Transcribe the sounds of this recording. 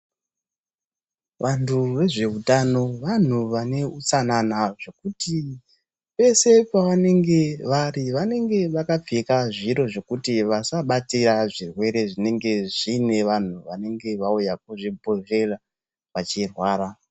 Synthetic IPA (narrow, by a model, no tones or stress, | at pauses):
ʋantʰuʋe̞ʐe̞utano̞ʋan̤uʋane̞ut͡sananaʐe̞kuti | pe̞se̞paʋane̞ŋɡe̞ʋariʋane̞ŋɡe̞ʋakap͡fikaʐiɾo̞ʐe̞kutiʋasaɓatiɾaʐirwe̞ɾe̞ʐine̞ŋɡe̞ʐine̞ʋan̤uʋane̞ŋɡe̞ʋaujak̚uʐibʱo̞ʐe̞ra | ʋat͡ʃirwaːɾa